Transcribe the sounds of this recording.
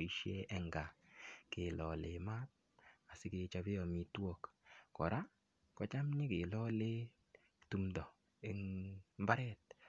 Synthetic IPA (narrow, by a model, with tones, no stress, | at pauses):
i˨ʃje˦ɛ˨ŋɡa˨kɪ˨lɔ˨le˨ma˦t̚ | a˨sɪ˦ke˧t͡ʃa˧bɪ˦ɔ˨mi˨two˦kkɔ˨ɾa˦ | kɔ˨t͡ʃa˦mɲɪ˦kɪ˨lɔ˦le˦ | tu˦mdɔ˨ | e˦ŋmba˦ɾɛ˦t̚